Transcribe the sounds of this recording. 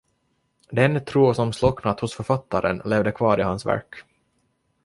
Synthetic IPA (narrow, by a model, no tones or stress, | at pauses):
d̪ɛnt̪ʰɾuːsɔmslɔknat̪hʊsfœɾfat̪ʰːaɾənleːvd̪əkʰvɑːɾɪhansvæ̰ɾk